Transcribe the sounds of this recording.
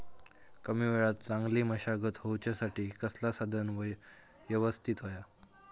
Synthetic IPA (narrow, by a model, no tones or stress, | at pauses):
kəmiːʋeɭat̪̚t͡saŋɡliːməɕaɡət̪ɦowt͡ɕjasaʈiːkəslasad̪ʱənʋəj | ʋjəʋəst̪ʰit̪ɦoja